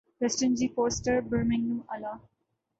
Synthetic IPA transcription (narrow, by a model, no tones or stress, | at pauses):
ʋɛsʈə̃nd͡ʒiːfoːsʈəɾbəɾmɪ̃ŋjũːɐlaː